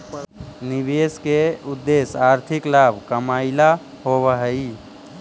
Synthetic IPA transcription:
nibeskeʊd̪ːesaːɾt̪ʰiklaːbʱkəmaːɪla | ɦowəɦəi

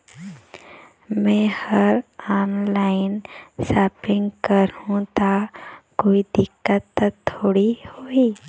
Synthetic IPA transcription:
mɛ̃həɾaːnlaːɪnsaːpɪ̃ŋɡkəɾhũt̪akoːid̪ɪkːət̪ːət̪ʰːoːɽihoːiː

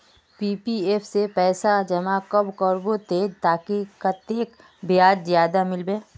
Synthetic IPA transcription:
piːpieːpʰsepɛːsad͡ʒɐmakəbkəɾbot̪eːd͡ʒt̪aːkikat̪eːk | bɪjaːd͡ʒzjaːd̪amɪlbeː

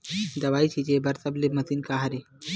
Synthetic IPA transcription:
d̪ɐʋait͡ɕʰid͡ʑebəɾsəbleməsiːnkaɦaɾe

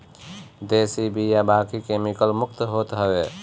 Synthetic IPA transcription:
d̪esibʱijabakikemikəlmʊk̚t̪ɦot̪ɦəwe

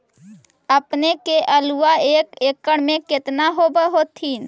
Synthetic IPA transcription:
əpnekeʔəluaeːkeːkːəɽmẽkɪt̪naɦobəɦoːt̪ʰːiːn

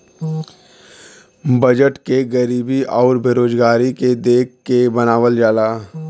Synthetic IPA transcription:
bəd͡ʒəʈkeɡəɾiːbiʔɔːɾbʱeːɾoːd͡ʒɡaːɾiked̪eːk̚ʰkːebənaːʋəld͡ʒaːlaː

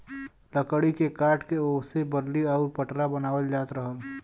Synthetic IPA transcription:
ləkəɽikekaːʈkeoːsebəɾliaʊɾpəʈɾabənaːwəld͡ʒaːt̪ɾəɦəl

